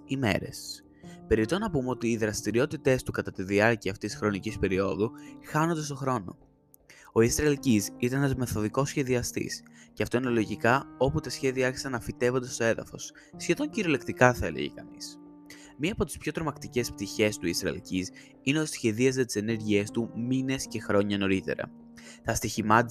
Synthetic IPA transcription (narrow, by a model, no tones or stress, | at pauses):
ime̞̰ɾe̞̰s | pe̞ɾit̪o̞nɐpumeo̞t̪iːðɾɐst̪iɾio̞t̪it̪e̞st̪ukɐt̪ɐt̪iðiɐɾciɐft̪issxɾo̞nicispe̞ɾio̞ðuxɐno̞nd̪e̞st̪o̞xɾo̞no̞̰ | o̞isɾɐlcisit̪ɐnenɐzme̞θo̞ðiko̞sçe̞ðiɐst̪ḭsceɐft̪o̞ine̞lo̞ʝikɐo̞put̪ɐsçe̞ðiɐeɾçi̥sɐnɐfit̪e̞vo̞nd̪est̪oe̞ðɐ̰fo̞̰sː | çe̞ðo̞ɲciɾolekt̪ikɐθɐe̞lḛʝḛkɐ̰nḭs | miɐːpo̞t̪i̥spço̞t̪ɾo̞mɐkt̪ice̞sp̚t̪içe̞st̪uisɾɐ̰lcis | ineosçe̞ðiɐzet̪i̥se̞ne̞ɾʝie̞st̪umine̞sce̞xɾo̞ɲɐno̞ɾit̪e̞̰ɾɐ̰ | θɐst̪içimɐ